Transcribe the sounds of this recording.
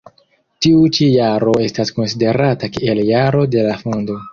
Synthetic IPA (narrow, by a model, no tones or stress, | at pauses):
tiut͡ʃijaɾo̞e̞stasko̞nside̞ɾatakeeljaɾo̞de̞lafo̞ndo̞